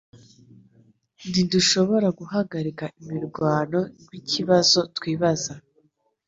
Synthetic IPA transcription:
ndinduʃo̞βoɾaɡuɦaɡaɾikaʔimiɾɡwaːno̞wiciβazo̞twiːβaza

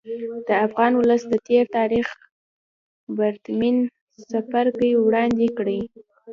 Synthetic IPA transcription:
d̪̥əafɣɑnwʊləsd̪ət̪eɾt̪ɑɾix | baɾt̪min | safaɾkəjwɽɑnd̪ekɽəj

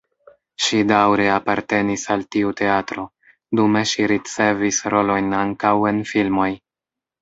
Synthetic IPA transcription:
ʃidawɾe̞apaɾte̞nisaltiute̞atɾo̞ | dume̞ʃiɾit͡se̞visɾʔo̞lo̞jnaŋkawe̞nfilmo̞j

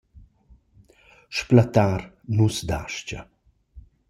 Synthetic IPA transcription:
ʃplat̪ar | nusd̪aʃt͡ʃa̰

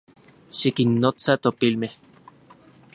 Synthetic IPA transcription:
ʃikinːot͡sat̪opilmeh

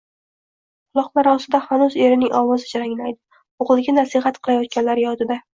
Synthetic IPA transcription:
qʰʊlˠɒqlˠaɾɒsɪd̪aχanuze̞ɾɪnɪŋʔɒwɒzɪd͡ʒaɾaŋlajd̪ɪ | oʁɨlˠɡʲanasɪɦat̪qʰɨlˠajɒt̪̚kʲanlaɾjɒt̪ʰɪd̪a

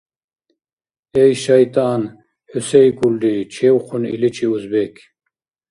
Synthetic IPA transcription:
ejʃɐjt̪aːn | husejkulɖ̪it͡ʃʰewqʰunḭlit͡ʃʰiuzbek

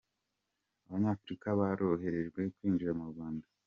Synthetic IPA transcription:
aβaɲaːfɾikaβaɾo̞ɦe̞ɾe̞ʒɡwe̞kwiːnd͡ʒiɾamuɾɡaːnda

